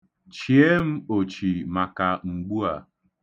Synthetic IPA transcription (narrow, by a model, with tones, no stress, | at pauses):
t͡ʃi˨e˦m̩˦o˨t͡ʃi˨ma˨ka˨ŋ͡m̩˨ɡ͡bu˦a̰˨